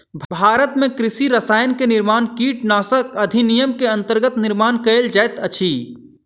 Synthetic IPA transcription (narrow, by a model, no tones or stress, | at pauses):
bʱbʱaːɾət̪mẽkɾisiɾəsaːjənkeniɾmaːnkiʈnaːsəkəd̪ʱinijəmkeɐ̃nt̪əɾɡət̪niɾmaːnkəeld͡ʒajt̪ət͡ʃʰi